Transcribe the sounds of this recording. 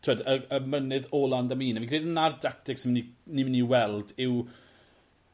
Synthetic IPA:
tʰweːdəəmənɪðɔːlˠandamiːnavikr̥iːdənardak̚tɪksɪmninimɪniwɛlˠdɪw

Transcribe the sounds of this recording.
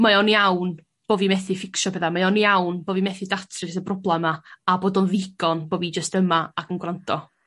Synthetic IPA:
majɔnjawn | b̥oːvimɛθɪfɪkʃɔbɛðamajɔniawnboːvimɛθɪdatʰrɨsəbrɔblˠɛmaaboːdɔnðɪɡɔnboːvid͡ʒəstəmaakʰənɡwrantʰɔ

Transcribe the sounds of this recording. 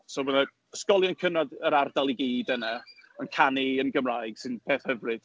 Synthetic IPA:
soməna | skɔlˠjɔnkʰənadəɾardalˠiɡiːdənɛənkʰaniənɡəmrajɡ̥sɨnb̥ʰeːθhəvrɨd̥

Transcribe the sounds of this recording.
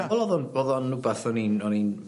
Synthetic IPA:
aɔlˠɔðɔnboðɔnːubaθɔninɔnin

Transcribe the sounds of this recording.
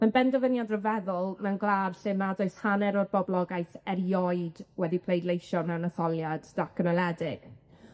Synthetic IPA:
manbɛndɔvənjadrəvɛðʊlˠnanɡlˠarɬɪmadɔɨshanɛɾɔrbɔblˠɔɡajθɛrjɔɨdwɛdipʰlejdlejʃɔnanəθɔlˠjaddakʰənɔlˠɛdɪɡ̥

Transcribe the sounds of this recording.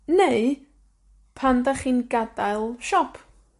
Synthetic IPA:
neɨ | pʰandaχiːnɡ̥adajlˠʃɔpʰ

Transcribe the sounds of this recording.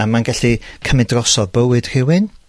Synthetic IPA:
amanɡaɬikʰəmɛdrɔsɔvbəwɨd̥r̥ɪwɨn

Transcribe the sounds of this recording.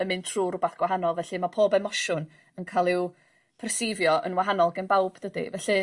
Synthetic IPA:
əmɨntʰruːrʊbaθɡ̥waɦanɔlˠvɛɬɨmapʰoːbɛmɔʃʊn | ənkʰalˠɪw | pʰɛrsɪvjɔʔə̰nwaɦanɔlˠɡənbawb̥d̥ədḭvɛɬɨ

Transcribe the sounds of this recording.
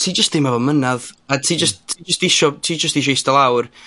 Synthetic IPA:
tʰiːd͡ʒəstdɪmavɔmənaðatʰiːd͡ʒəsttʰiːd͡ʒəstɪʃɔtʰiːd͡ʒəstɪʃ̬ɔɪstəlˠawr

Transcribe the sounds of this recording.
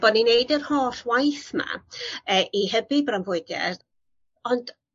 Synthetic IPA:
b̥ɔdninejdərhoːɬwajθma̰əːʔihəbibranvʊɨɡɛ̰r | ɔnd

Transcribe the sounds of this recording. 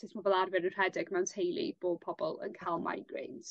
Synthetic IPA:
tʰɪsmɔvɛlˠarvɪnənr̥ɛdɪɡ̥mɛwntʰejlˠḭb̥oːpʰɔbɔlˠə̰nkʰalˠma̰jɡ̥ɹḛːns

